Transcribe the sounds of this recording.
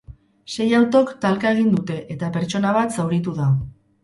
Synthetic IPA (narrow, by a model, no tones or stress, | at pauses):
se̞jawt̪o̞kt̪alkae̞ɣ̞ind̪ut̪e̞ʔet̪ape̞ɾt͡ʃo̞naβ̞at̪sawɾit̪uða